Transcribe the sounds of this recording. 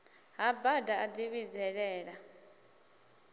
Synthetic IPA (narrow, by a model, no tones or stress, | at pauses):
ɦabadaad̪iβid͡zɛɺɛːɺa